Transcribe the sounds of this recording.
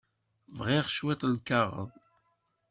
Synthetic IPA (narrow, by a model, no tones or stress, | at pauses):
vʁiʁʃwit̪ˤlkɑʁə̰ðˤ